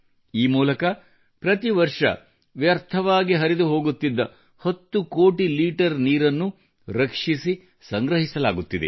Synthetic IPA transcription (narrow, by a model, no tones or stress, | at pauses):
iːmuːlɐkɐ | pɾɐt̪iʋɐɾʂɐ̰ | ʋjɐɾt̪ʰɐʋaːɡiɦɐɾid̪uɦo̞ːɡut̪ːid̪ːɐ | hot̪ːukoːʈiliːʈɐɾniːɾɐnːu | ɾɐkʂisi | sɐŋɡɾɐɦisɐlaːɡut̪ːid̪ḛ